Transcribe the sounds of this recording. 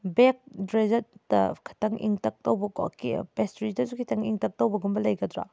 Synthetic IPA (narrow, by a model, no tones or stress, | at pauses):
bek̚dɾezɐt̚dɐ̰kʰi̥tʰɐŋʔḭŋtɐk̚tɐwbɐkɔ̰kḭpestɾidɐsukʰitʰɐŋiŋtɐk̚towbɐɡumbɐlɐjɡɐdɾa̰